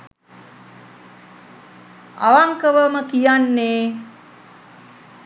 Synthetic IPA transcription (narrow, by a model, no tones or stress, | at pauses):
a̰ʋaŋkəʋəməkijanːeː